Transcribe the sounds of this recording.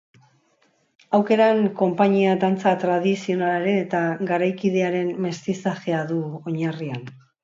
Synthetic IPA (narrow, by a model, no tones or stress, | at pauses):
awke̞ɾaŋko̞mpaɲiad̪ant͡sat̪ɾað̞isio̞nalaɾenet̪aɡaɾajkið̞e̞aɾe̞mme̞st̪isaʝeaðuo̞ɲarian